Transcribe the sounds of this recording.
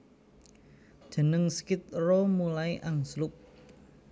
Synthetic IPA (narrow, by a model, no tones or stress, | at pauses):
ʒ̥ə̤nəŋskɪt̪̚romulaiʔaŋslʊp̚